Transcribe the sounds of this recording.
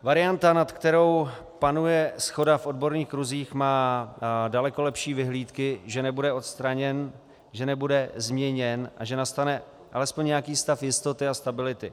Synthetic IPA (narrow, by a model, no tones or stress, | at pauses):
vaɾɪant̪anat̪kt̪ɛɾo̞w | panujɛsxo̞dafʔo̞d̚bo̞ɾniːxkɾuziːxmaːdalɛko̞lɛpʃiːvɪɦliːt̪kɪʒɛnɛbudɛo̞t̪st̪ɾaɲɛn | ʒɛnɛbudɛzmɲɛɲɛnʔa̰ʒɛnast̪anɛ | ʔalɛspoɲɲɛjakiːst̪afjɪst̪o̞t̪ɪast̪abɪlɪt̪ɪ